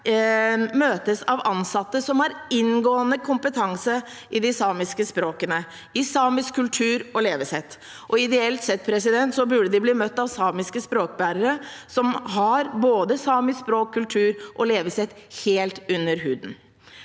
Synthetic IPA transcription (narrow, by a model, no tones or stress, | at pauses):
møːt̪əsɑʋɑnsɑt̪ːəsɔmhɑɾɪnɡoːənəkʰʊmpət̪ʰɑŋsə | ʔɪd̪ɪsɑːmɪskəspɾoːkənə | ɪsɑːmɪskkʰːʉlt̪ʰʉːɾɔleːʋəsɛt̪ː | ʔɔɪd̪ɛɛlt̪sɛt̪̚ːpʰɾɛsɪd̪ɛnt̪sɔbʉɖəd̪ɪbliːmœt̪ːɑʋsɑːmɪskəspɾoːk̚bæːɾəɾəsɔmɦɑɾboːd̪əsɑːmɪspɾoːkʰːʉlt̪ʰʉːɾʔɔleːʋəsɛt̪ːheːlt̪ʉnːəɾɦʉːd̪n̩